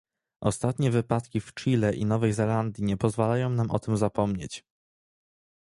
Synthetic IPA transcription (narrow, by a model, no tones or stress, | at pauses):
ʔɔst̪at̪ɲɛvɘpat̪kʲift͡ʂilɛʔinɔvɛjzɛland̪ʲjiɲɛpɔzvalajɔ̃w̃namʔɔt̪ɘmzapɔmɲet͡ɕ